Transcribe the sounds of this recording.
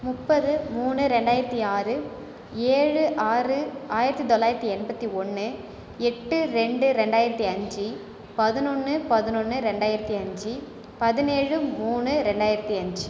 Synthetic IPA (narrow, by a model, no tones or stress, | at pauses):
mʊpːɐðɯmuːnɯɾɛɳɖaːjɪɾɐt̪ːiaːɾɯ | eːɻɯʔaːrɯaːjɪɾɐt̪ːit̪ɔlːaːjɪɾɐt̪ːiɛnbɐt̪ːiɔnːɯ | ɛʈːɯɾɛɳɖɯɾɛɳɖaːjɪɾɐt̪ːiɐɲd͡ʒi | pɐðɯnɔnːɯpɐðɯnɔnːɯɾɛɳɖaːjɪɾɐt̪ːiɐɲd͡ʒi | pɐðɪneːɻɯmuːnɯɾɛɳɖaːjɪɾɐt̪ːiɐɲd͡ʒɯ